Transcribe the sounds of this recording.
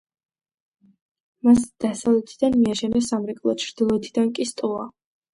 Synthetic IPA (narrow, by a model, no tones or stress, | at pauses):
masd̪̥asavlɛt̪ʰid̪anmiaʃɛnɛsamɾɛkʼlˠɔ̰t͡ʃʰɾd̪ilˠɔɛt̪ʰid̪ankʼist̪ʼua